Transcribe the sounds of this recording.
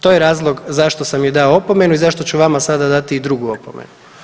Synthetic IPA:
t̪o̞jeɾaːzlˠo̞ɡzaʃt̪o̞samjed̪aoopo̞me̞nuizaʃt̪o̞t͡ɕuʋamasad̪ad̪at̪iːd̪ɾuɡuopomḛnu

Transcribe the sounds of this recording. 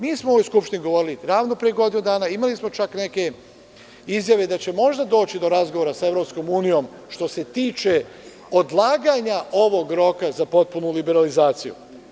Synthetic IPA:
miːsmooʋojskupʃt̪iniɡo̞ʋo̞ɾiliɾaːʋnopɾijeɡo̞d̪inud̪aːnaimalismo̞t͡ʃakneke̞ | izjaʋed̪at͡ɕe̞mo̞ʒd̪ad̪o̞ːt͡ɕid̪o̞ɾazɡoʋoɾasae̞ʋɾo̞psko̞muːnijo̞m | ʃt̪o̞se̞t̪iːt͡ʃe̞ | o̞d̪lˠaːɡaɲao̞ʋo̞ɡɾo̞kazapo̞t̪̚punulibe̞ɾalizaːt̪sijṵ

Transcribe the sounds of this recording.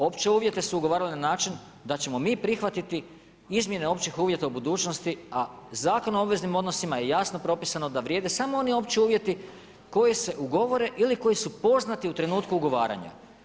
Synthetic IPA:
o̞pt͡ɕeuːʋje̞t̪e̞suuɡo̞ʋaːɾalinanaːt͡ʃin | d̪at͡ɕe̞mo̞miːpɾixʋat̪it̪i | izmje̞neo̞pt͡ɕixuːʋje̞t̪aubud̪uːt͡ʃno̞st̪iazaːko̞noobʋe̞znimo̞d̪nosimaje̞jasno̞pɾo̞pisano̞d̪aʋɾjeːd̪esamo̞o̞nio̞pt͡ɕiuːʋje̞t̪i | ko̞jese̞ʔuɡo̞ʋo̞ɾe̞ʔiliko̞jisupo̞znat̪iut̪ɾe̞nuːt̪kuːɡo̞ʋa̰ːɾa̰ɲa̰

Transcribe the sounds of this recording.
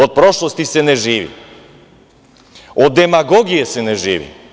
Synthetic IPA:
ot̪̚pɾoʃlˠost̪isɛnɛʒiːʋḭ | od̪ːɛmaɡoɡijɛsɛnɛʒiːʋḭ

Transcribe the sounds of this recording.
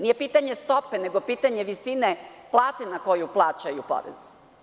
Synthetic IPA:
nije̞piːt̪aɲest̪o̞peneɡopiːt̪aɲeʋisineplˠaːt̪enako̞juplˠaːt͡ɕajupo̰ɾḛz̥

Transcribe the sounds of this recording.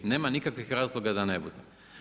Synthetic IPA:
ne̞ːmanikakʋixɾaːzlˠoɡad̪ane̞bud̪e

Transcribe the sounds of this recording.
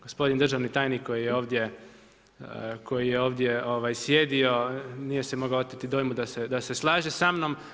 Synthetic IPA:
ɡ̥ospo̞d̪ind̪r̩ʒaʋnit̪aːjnikkːo̞jijeo̞ːʋd̪je̞ | ko̞jijeo̞ːʋd̪jeoʋajsjed̪io̞nijesemo̞ɡaot̪it̪id̪ojmud̪ased̪ase̞slˠaːʒesamno̞m

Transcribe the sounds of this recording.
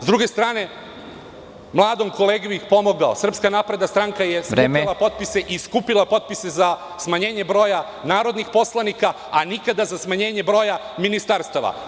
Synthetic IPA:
zd̪ɾuɡest̪ɾaːne̞ | mlˠaːd̪o̞mko̞le̞ːɡuixpo̞mo̞ɡaosr̩pskanaːpɾe̞d̪nast̪ɾaŋkaje̞semilˠapo̞t̪̚pise̞ʔiskupilˠapo̞t̪̚pise̞za | smaɲe̞ːɲe̞bɾo̞ːja | naːɾo̞d̪nixpo̞slˠanika | anikad̪azasmaɲe̞ːɲe̞bɾo̞ːja | minist̪aɾst̪aʋa̰

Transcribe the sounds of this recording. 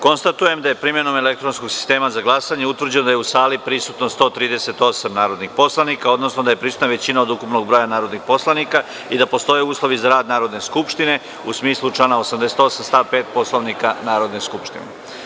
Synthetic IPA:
ko̞nst̪at̪uje̞md̪aje̞pɾimje̞no̞me̞le̞k̚t̪ɾonskoɡsi̥st̪e̞ːmazaɡlˠasaɲeut̪ʋr̩d͡ʑenod̪ajeusaːlipɾisut̪no̞st̪o̞ːt̪ɾiːd̪e̞se̞t̪o̞samnaːɾod̪nixpo̞slˠanikao̞d̪no̞sno̞d̪ajepɾisu̥t̪naʋe̞t͡ɕinaod̪ukupno̞ɡ̚bɾojanaːɾod̪nixpo̞slˠanika | id̪apo̞st̪o̞jeuːslˠo̞ʋizaɾaːd̪naːɾo̞d̪ne̞skupʃt̪ine̞ | usmiːslˠut͡ʃlaːnaosamd̪eset̪o̞samst̪aːpeːt̪̚po̞slˠoʋnikanaːɾo̞d̪ne̞skupʃt̪ḭnḛ

